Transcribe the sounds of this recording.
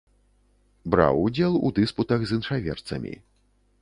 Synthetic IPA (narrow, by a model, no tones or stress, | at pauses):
bɾa̰wud͡zʲɛlˠṵd̪ɨsput̪ɐɣzɨnʂavʲɛ̰rt̪sɐ̰mʲḭ